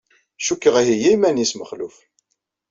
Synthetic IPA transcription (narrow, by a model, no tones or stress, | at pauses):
ʃukːəʁæɦijæjmænisməχluf